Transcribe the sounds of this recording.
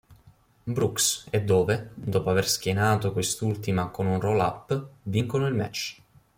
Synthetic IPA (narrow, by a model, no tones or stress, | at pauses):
bɾuksɛd̪ːoːved̪ɔːpoaversk̟jenaːt̪okwest̪ult̪imakonunrola̰pːviŋkonoilmɛ̰t͡ʃː